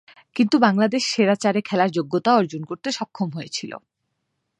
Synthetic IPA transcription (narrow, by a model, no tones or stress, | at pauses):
kint̪ubaŋlad̪eʃʃeɾat͡ɕaɾekʰɛlaɾd͡ʑoɡːot̪aɔɾd͡ʑonkoɾt̪eʃɔkʰːomɦoet͡ɕʰilo̰